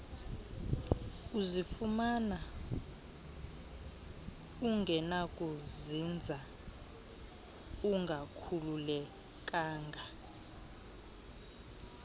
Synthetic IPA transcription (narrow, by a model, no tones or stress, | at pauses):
uzifumana | uŋɡʱɛnakʼuzind͡zʱa | uŋɡʱakʰululɛ | kʼaːŋɡʱa